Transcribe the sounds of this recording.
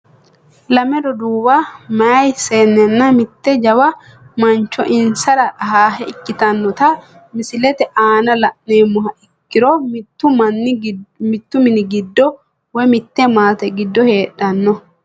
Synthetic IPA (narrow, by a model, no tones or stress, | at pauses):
lɐmɛɾɔd̪uːbamɐjseːnːɛnːɐmɪt̪ːɛd͡ʒɐwɐ | mɐnt͡ʃːɔʔɪnsɐɾɐɦaːɦɛɪkːɪt̪ɐnːɔt̪ɐ | mɪsɪlɛt̪ɛʔaːnɐlɐʔneːmːʊɦɐʔɪkːɪɾɔmt̪ːʊmɐnːɪmɪt̪ːʊmɪnɪɡɪd̪ːɔ | wɔjmɪt̪ːɛmaːt̪ɛɡɪd̪ːɔhe̞ːᶑːɐnːɔ